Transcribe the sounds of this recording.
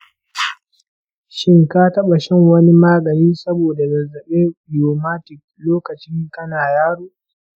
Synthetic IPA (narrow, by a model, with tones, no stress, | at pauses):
ʃɪ˦ŋka˦tɐ˦ɓa˨ʃɛ˦˨ŋwɐ˦ni˦maː˦ɡɐ˨niː˦sɐ˦boː˨da˨ɡɐ˨zːɐ˨ɓeː˦bɪ˨joː˨maː˦tɪ˨k̚loː˦kɐ˨t͡ʃɪ˦ŋkɐ˦naː˨jaː˦ɽuː˦